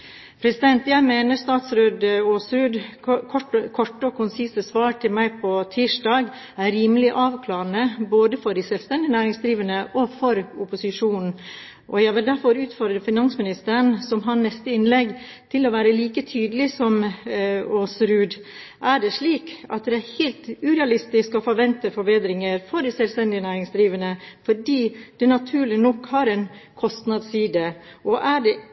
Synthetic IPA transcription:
pʰɾɛsɪd̪ɛnt̪jæɪmeːnəɾst̪ɑːt̪sɾøːd̪oːsɾʉːd̪kʰɔʈkʰɔʈːəɔkʰʊnsiːsəsʋɑːɾʈʰɪlmæɪpʰɔt̪ʰiːʂɖɑːɡ | æɾiːməlɪʔɑːʋkʰlɑːɾənəboːd̪əfɔɖɪsɛlst̪ɛnd̪ɪnæːɾɪŋsd̪ɾiːʋənəʔɔfɔɾʊpʊsɪʂuːnn̩ | ʔɔ̰jæɪʋɪld̪æɾfɔɾʉːt̪fɔɾd̪ɾəfɪnɑnsmɪnɪst̪əɾənsɔmɦɑnɛst̪əɪnlɛɡ | t̪ʰɪlɔʋæːɾəliːkət̪ʰyːd̪əlɪsɔm | oːsɾʉːd̪ | ʔæɖɛʂɭiːkɑ̰t̪d̪ɛæɾhɛlt̪ʉɾɛɑlɪst̪ɪskɔfɔɾʋɛnt̪əfɔɾbeːd̪ɾɪŋəɾfɔɾd̪ɪsɛlst̪ɛnd̪ɪənæːɾɪŋsd̪ɾiːʋənəfɔɖiːd̪̥ɛnɑt̪ʰʉːɭɪnɔkhɑɾɛnkʰɔst̪nɑd̪siːd̪əʔɔʔæɖɛ

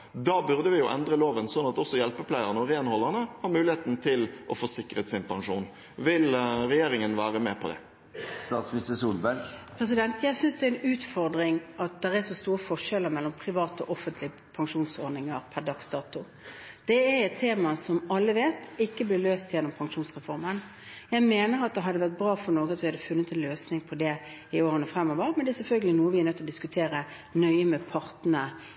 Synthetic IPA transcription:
d̪ɑːbʉʁd̪əʋɪjʊʔɛnd̪ʁəloːʋənsɔnːɑt̪ɔsːɔjɛlpəpʰlæɪəʁənəɔɾeːnhɔlːəʁnəhɑɾmʉːlɪheːt̪n̩t̪ʰɪlʔɔfoːsɪkːʁət̪sɪnpɑŋʂuːn | ʋɪlɾɛjeːɾɪŋənʋæːʁəmɛpʰɔd̪ɛ̰ | st̪ɑːt̪smist̪əsuːlbæɾɡpʰɾɛs̬ɪd̪ɛnt̪ʰjæɪsʏnsd̪ɛæɾɪnʉːt̪fɔɾd̪ɾɪŋɑt̪̚d̪ɛʁɛʂɔst̪uːɾəfɔʂɛləɾmɛlːɔmpʰɾɪʋɑːt̪ɔ̰ʔɔfənt̪lɪə | pʰɑŋʂuːnsɔɾd̪nɪŋəʁpʰæʁd̪ɑksd̪ɑːt̪ʊ | d̪̥ɛæɾɛt̪t̪ʰːeːmɑsɔmɑlːəʋeːt̪ɪkːəblɪløːst̪jɛnːɔmpʰɑŋʂuːnsʁɛfɔʁmən | jæɪmeːnəɾʁɑt̪̚d̪ɛɦɑd̪ːəʋæʁt̪̚bɾɑːfɔɾnoːɡəɑt̪ʋɪhɑd̪ːəfʉnːət̪ɛnløːsnɪŋpʰɔd̪ɛ | ɪoːɾənəfʁɛmːɔːʋəɾmɛnd̪ɛæɛsɛlfœlɡəlɪnuːəʋɪæɛɾnœt̪ːlɔd̪ɪskʉt̪ʰeːɾə | nœʏəmɛpʰɑʁt̪n̩ə

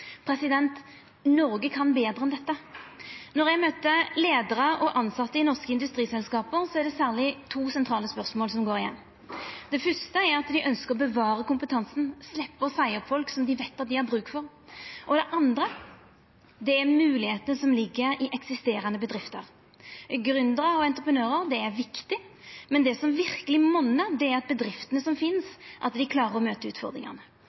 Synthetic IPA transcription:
pʰɾɛsɪd̪ɛnt̪ | nɔɾɡəkʰɑnbeːd̪ɾʁəɛnd̪ɛt̪ːə | nɔʁjæɡmøt̪əleːd̪əʁəɔʔɑnsɑt̪ːəɪnɔʁskəɪnd̪ʉst̪ɾiːsɛlskɑːpəɾsɔæʁɖ̪ɛsæːʁlɪt̪ʰuːsɛnt̪ʰɾɑːləspœʁsmoːlsɔmɡoːɾɪjɛ̰nː | d̪̥ɛfʏʁst̪əæɾɑt̪d̪ɪʔœnskəʁɔbəʋɑːɾəkʊmpət̪ʰɑnsn̩slɛpːəɔsæɪɔpfɔlksɔmd̪ɪʋɛɪt̪ːɑt̪̚d̪ɪæɾbʁʉːkfɔʁ | ʔɔd̪ɛʔɑnd̪ɾə | d̪ɛæɾmʉːlɪheːt̪ənəsɔmlɪɡːəɾɪʔɛksɪst̪eːɾɑnəbəd̪ɾɪft̪əɾ | ɡɾʉnd̪əʁəɔɛnt̪ɾəpʰənøːɾəɾd̪ɛɛɾʋɪkt̪ɪ | mɛnd̪ɛsɔmʋɪɾkəlɪmɔnːəɾd̪ɛæɾɑt̪̚bəd̪ɾɪft̪ənəsɔmfɪnsʔɑ̰t̪d̪ɪkʰlɑːɾəɾɔmøːt̪əʉ̰ːt̪fɔ̰ʁd̪ɾɪ̰ŋɑ̰nə

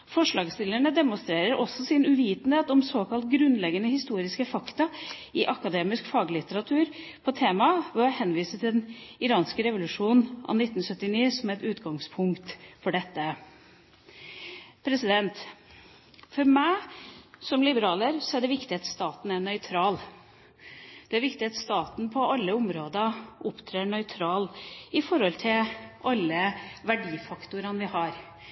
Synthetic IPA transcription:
fɔʂɭɑːɡst̪ɪləɳəd̪ɛmʊnst̪ɾeːɾəɾʔɔsːɔsɪnʉʋiːt̪n̩heːt̪ɔmsoːkʰɑlt̪ɡɾʉnːlɛɡənəhɪst̪uːɾɪskəfɑkt̪ɑɪʔɑkɑd̪eːmɪskfɑːɡlɪt̪əɾɑt̪ʰʉːɾpʰɔt̪ʰeːmɑʋɔhɛnʋiːsət̪ʰɪɛnɪɾɑːnskəɾɛʋʊlʉʂuːnʔɑ̰nɪt̪ːn̩sœt̪ːɪniːsɔmɛt̪ʉːt̪ɡɑŋspʰʊŋkt̪fɔɖɛt̪ːə | pʰɾɛsɪd̪ɛnt̪ | fɔɾmæɪsɔmlɪbəɾɑːləɾsɔæɖɛʋɪkt̪ɪɑt̪st̪ɑːt̪n̩ænœʏt̪ʰɾɑːl | d̪̥ɛæɾʋɪkt̪ɪɑt̪st̪ɑːt̪n̩pʰɔɑlːəʊmɾoːd̪ɑʊpt̪ʰɾeːɳœʏt̪ʰɾɑːlɪfɔɾhɔlt̪ʰɪlʔɑlːəʋæɖiːfɑkt̪ʊɾɑnʋɪhɑːɾ

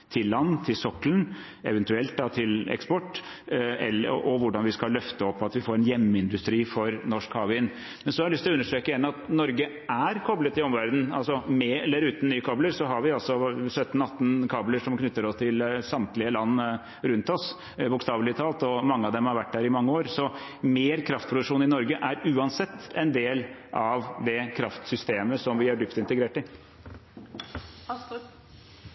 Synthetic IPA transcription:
t̪ʰɪlːɑnːt̪ʰɪlsɔklən | ɛ̰ʋɛnt̪ʉɛlt̪̚d̪ɑt̪ʰɪlɛ̰kspɔʈː | ɛ̰lːə̰ʔɔʋʊɖɑnʋɪskɑllœft̪əɔpʰːɑt̪ʋɪfoːɾɛnjɛmːəɪnd̪ʉst̪ɾiːfɔɾnɔʂkhɑːʋɪn | mɛnsɔhɑɾlʏst̪ɪlɔʉnːəʂʈtɾeːkəjɛnːɑt̪nɔɾɡə | æɾkʰɔblət̪ɪɔmʋæɾd̪n̩ɑlsɔmɛɛlːəɾʉːt̪n̩nyːəkʰɑːbləɾsɔɦɑɾʋɪɑlsɔsœt̪ːnɑt̪ːnkʰɑːbləʂɔmknʏt̪ːəɾɔst̪ʰɪlsɑmt̪lɪəlɑnː | ɾʉnt̪ɔs | bʊkst̪ɑːʋlɪət̪ʰɑːlt̪ɔmɑŋːəɑʋd̪ɛmhɑɾʋæʈ̚ːdæːɾɪmɑŋːəoːɾsɔ | meːɾkʰɾɑft̪̚pʰɾʊd̪ʉkʂuːnɪnɔɾɡəʔæɾʉːɑnsɛt̪ːɛnd̪eːlʔɑʋd̪ɛkʰɾɑft̪sʏst̪eːməsɔmʋɪæɖʏpt̪ɪnt̪əɡɾeːʈɪ

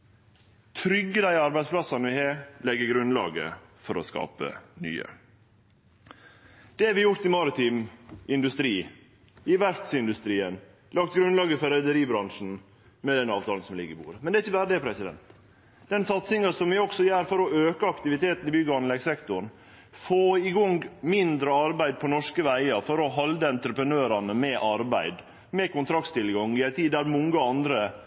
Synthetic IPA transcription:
t̪ʰɾʏɡːəd̪æɪɑɾbæɪd̪spʰlɑsɑnʋɪheːlɛɡːəɡɾʉnlɑ̰ːɡə̰fɔɾɔskɑ̰ːpə̰ny̰ːə̰ | d̪̥ɛæɾʋɪjʊɾt̪ɪmɑɾɪt̪ʰiːmɪnd̪ʉst̪ɾiː | ɪʋæɾt̪sɪnd̪ʉst̪ɾiːən | lɑkt̪ɡɾʉnlɑːɡəfɔɾɛd̪əɾiːbɾɑŋʂn̩ | mɛd̪ɛnɑːʋt̪ɑːln̩sɔmlɪ̰ɡːəɾɪbṵːɾəmɛnd̪ɛæɾɪçːəbæːɾəd̪ɛːpʰɾɛsɪd̪ɛ̰nt̪ | d̪̥ɛnsɑt̪sɪŋɑsɔmʋɪɔksɔjæːɾfɔɾɔøːkəɑkt̪ɪʋɪt̪ʰeːt̪n̩ɪbʏɡəɑnlɛɡsɛkt̪ʊɳ | foːɪɡɔŋɡmɪnd̪ɾəɑɾbæɪd̪̚pʰɔnɔʂkəʋæɪɑfɔɾɔɦɑld̪əɛnt̪ɾəpɾənøːɾɑnəmɛʔɑɾbæɪd̪ | mɛkʊnt̪ʰɾɑk̚t̪st̪ɪlɡɑŋɪæɪt̪ʰiːd̪æɾmɔŋɡəɑnd̪ɾə

